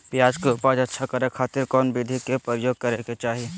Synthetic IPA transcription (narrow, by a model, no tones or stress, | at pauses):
pjaːd͡ʒkopaːd͡ʒɐtːʃʰakəɾekʰaːt̪ɪɾkɔːnbid̪ʱikepɾəjoːɡ̚kəɾeket͡ʃaːɦi